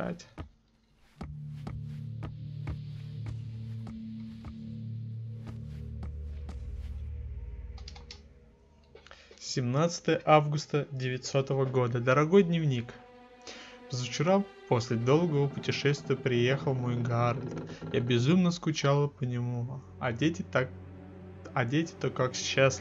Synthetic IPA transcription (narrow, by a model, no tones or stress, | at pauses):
a̰tʲ | sʲɪmnat̪sɨ̥t̪əjəʔavɡʊst̪ədʲɪvʲɪtʲso̞t̪əvəɡo̞d̪əd̪əɾɐɡo̞jd̪ʲnʲɪvnʲik | vzəft͡ɕɪɾapo̞sʲlʲɪd̪o̞lˠɡəvəpʊtʲɪʂɛst̪vʲɪjəpɾʲɪjexəlˠmo̞jɡaɾd̪t̪jabʲɪzumnəskʊt͡ɕalˠəpənʲɪmu | e | ɐdʲetʲɪ̥t̪okakɕːas